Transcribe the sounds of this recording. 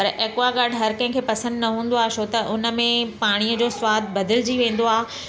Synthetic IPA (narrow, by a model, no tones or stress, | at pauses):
pɐɾeːkʋaɡaːɖʱɦɐɾkɐ̃ɦɪ̃kʰeːpɐsə̃nd̪nɐɦũːn̆d̪oaːʃoːt̪ɐʔʊnə̆mẽpaːɽ̃iəd͡ʑoːswaːd̪ʱbɐd̪ʱɪld͡ʑiʋẽːn̆d̪oaː